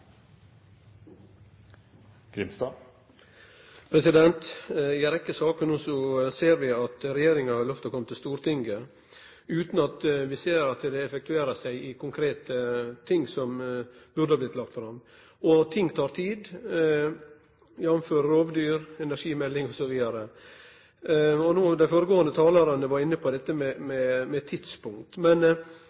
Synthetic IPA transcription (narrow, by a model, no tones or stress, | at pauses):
ɡɾɪmst̪ɑ | pʰɾɛsɪd̪ɛnt̪ɪɾɛkːəsɑːkənuːsɔseːɾʋɪɑt̪ɾɛjeːɾɪŋɑhɑɾlœft̪ʰɔːkʰɔmət̪ʰɪlst̪uːɾt̪ʰɪŋɡə | ʉːt̪nɑt̪ʋɪseːɾɑt̪d̪ɛɛfɛk̚t̪ʉeːɾəsæɪɪkʰʊŋkʰɾeːt̪ət̪ʰɪŋːsɔmbʉɾd̪əhɑːblɪt̪lɑk̚t̪fɾɑm | ɔt̪ʰɪŋːt̪ʰɑːɾt̪ʰiːd̪ | jɑnmføːɾəɾoːʋd̪yːɾɛnæɾʂiːmɛlːɪŋɔsɔʋiːd̪ɑɾə | ɔnuːd̪æɪfoːɾəɡoːənd̪ət̪ʰɑːlɑɾɑnəʋɑɾɪnːəpʰɔd̪ɛt̪ːəmɛmɛmɛt̪ʰːɪd̪spʰʊŋkt̪mɛn